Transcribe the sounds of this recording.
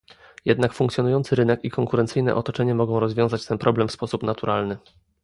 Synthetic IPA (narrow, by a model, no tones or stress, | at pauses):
jɛd̪nakfuŋkt̪sjɔnujɔnt̪sɘɾɘnɛkikʰɔŋkuɾɛnt̪sɘjnɛ̰ʔɔt̪ɔt͡ʂɛɲɛmɔɡɔ̃w̃ɾɔzvʲjɔ̃w̃zat͡ɕt̪ɛnpɾɔblɛmfspɔsupnat̪uɾʔalnɘ